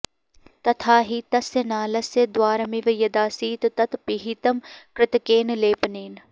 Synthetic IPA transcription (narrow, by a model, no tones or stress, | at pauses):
t̪ɐt̪ʰaːɦit̪ɐsenaːlɐsed̪waːɾɐmiʋɐjɐd̪aːsiːt̪t̪ɐt̪piɦit̪ɐmkɾɪt̪keːnleːpneːn